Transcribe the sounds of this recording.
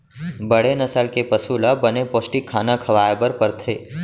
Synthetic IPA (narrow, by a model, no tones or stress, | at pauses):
bəɽenɐsəlkepəsuːlabɐnepoːsʈikʰːaːnakʰɐʋaːjbəɾpɐɾt̪ʰeː